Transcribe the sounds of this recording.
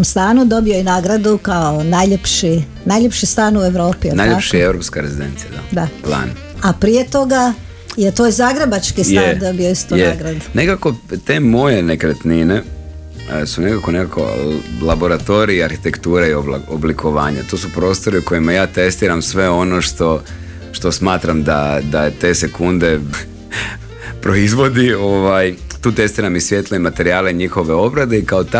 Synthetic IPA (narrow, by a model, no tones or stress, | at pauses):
omst̪aːnud̪o̞bioinaːɡɾad̪ukaonajʎepʃi | najʎepʃist̪aːnue̞ʋɾo̞ːpionajʎepʃiewɾopskaɾezid̪ent̪sija̰d̪ad̪ala̰n | apɾijet̪o̞ɡa | jet̪ojzaːɡɾebat͡ʃkist̪aend̪o̞bijoist̪ujneɡɾad̪unekakot̪emo̞jenekɾet̪nine | sunekakonekako̰lˠabo̞ɾat̪o̞ɾiːaɾxi̥t̪e̞kt̪uːɾaioboblikʰo̞ʋaːɲat̪o̞ːsupɾo̞ːst̪o̞ɾiuko̞jimajaːt̪e̞st̪iːɾamsʋe̞o̞no̞ʃt̪o̞ | ʃt̪o̞smaːt̪ɾamd̪ad̪at̪e̞ːse̞kund̪e̞ | pɾo̞izʋo̞d̪io̞ʋajt̪uːt̪e̞st̪iːɾamisʋje̞t̪leimat̪e̞ɾiaːleɲixo̞ʋe̞o̞bɾad̪eikaot̪a